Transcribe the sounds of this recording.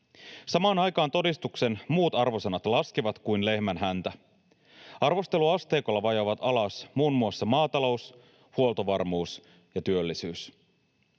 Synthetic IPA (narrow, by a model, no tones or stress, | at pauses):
sɑmɑːnɑjkɑːnt̪o̞dist̪ukse̞nmuːt̪ɑrʋo̞senɑt̪lɑskiʋɑt̪kujnle̞hmænɦænt̪æ | ɑrʋo̞st̪e̞luɑst̪eːko̞lːɑʋɑjoʋɑt̪ɑlɑsmuːnmuosːɑmɑːt̪ɑlo̞us | huo̞lt̪oʋɑrmuːs | jɑt̪yølːisyːs